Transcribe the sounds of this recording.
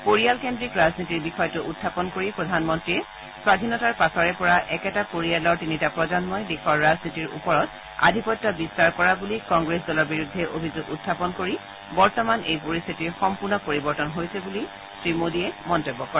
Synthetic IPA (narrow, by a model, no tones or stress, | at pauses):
poɹijalkendɹikɹaznitiɹbixɔjɔtʊʔutʰːapɔnkoɹipɹɔdʱanmɔntɹiɛ | swadʱinɔtaɹpasɔɹɛpɔɹaʔɛkɛtapoɹialɔɹtinitapɹɔzɔnmɔjdexɔɹːaznitiɹṵpɔɹɔt | a̰dʱipɔtːɔbistaɹkɔɹabulikɔŋɡɹes̬dɔlɔɹbiɹudʱːɛʔobʱizʊɡutʰːapɔnkoɹi | bɔɹtɔmanejpoɹist̪ʰitiɹxɔmpuɹnɔpoɹibɔɹtɔnɦojsɛbuli | sɹimodiɛmɔntobːɔkɔɹɛ